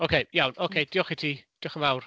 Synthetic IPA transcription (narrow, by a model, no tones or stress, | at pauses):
okʰejjawnokʰejd̥iɔχɪtʰid̥iɔχəmawr